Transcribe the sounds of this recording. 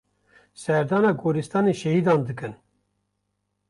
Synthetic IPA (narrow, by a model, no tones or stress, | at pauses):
sɛɾd̪ɑːnɑːɡoːɾist̪ɑːneʃɛhid̪ɑːnd̪ɨkɨn